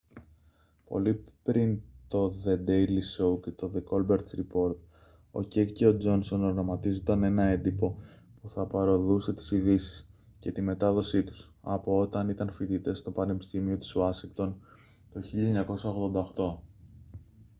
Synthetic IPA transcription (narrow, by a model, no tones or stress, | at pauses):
po̞̰lipɾint̪o̞ðe̞d̪e̞jlisowket̪o̞ðeko̞lbe̞ɾt̪sɾipo̞ɾt̪̚ | o̞̰ceceo̞d͡zo̞nso̞noɾɾɐmɐt̪izond̪ɐne̞nɐe̞nd̪ipo̞puθɐpɐɾo̞ðuse̞t̪i̥siðisi̥s | ce̞t̪ime̞t̪ɐðo̞sit̪u̥sɐ̰po̞o̞t̪ɐnit̪ɐnfit̪it̪e̞st̪o̞pɐne̞pi̥st̪imio̞t̪i̥suɐsiŋkt̪o̞n | t̪oçiʎɐɲɐko̞sɐoɣðo̞nd̪ɐoxt̪o̞